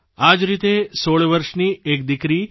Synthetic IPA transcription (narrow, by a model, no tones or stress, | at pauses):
ad͡ʒɾit̪esoɭʋəɾʃniek̚d̪ikɾi